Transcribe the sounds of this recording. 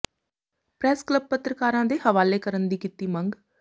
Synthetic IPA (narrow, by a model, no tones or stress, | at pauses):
pɾɛːskləb̚pət̪ɾəkaːɾãːd̪eːɦəʋaːleːkəɾənd̪iːkiːt̪iːməŋɡ